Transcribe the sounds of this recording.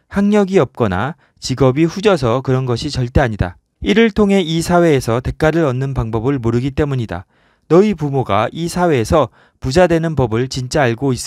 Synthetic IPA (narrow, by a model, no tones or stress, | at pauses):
haŋɲʌɡiʌp̚k͈ʌna̰ | t͡ɕiɡʌbiɸud͡ʑʌs̬ʰʌkɯɾʌnɡʌɕʰit͡ɕʌɭt͈e̞aɲida̰ | iɾɯɭtʰoŋɦe̞isʰawe̞ːsʰʌte̞k͈ʰaɾɯɾʌnːɯnpaŋbʌbɯɭmoɾɯɡit͈e̞muɲida̰ | nʌipumoɡaisʰawe̞ːsʰʌ | pud͡ʑadwe̞nɯnpʌbɯɭt͡ɕint͡ɕ͈aːɭɡois͈